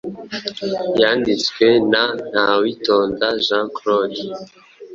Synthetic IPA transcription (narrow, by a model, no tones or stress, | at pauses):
jandit͡skwenan̥awitoːnzaʒãklod